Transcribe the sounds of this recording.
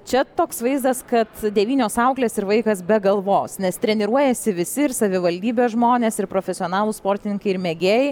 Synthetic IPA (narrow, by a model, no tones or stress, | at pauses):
t͡ʃʲɛt̪oːksʋɐɪzd̪ɐskɐt̪d̪ʲɛʋʲiːnʲoːsɐʊklʲeːsɪɾʋɐɪkɐsbʲɛɡɐlˠʋoːsnʲɛst̪ʲɾʲɛnʲɪɾuɔjɛsʲɪʋʲɪsʲɪɪɾsɐʋʲɪʋɐlʲd̪ʲiːbʲeːsʒmoːnʲeːsɪɾpɾoːfʲɛsʲɪoːnɑːlˠuːspoːɾʲt̪ʲɪnʲɪŋkɐɪɪɾmʲeɡʲeːjɪ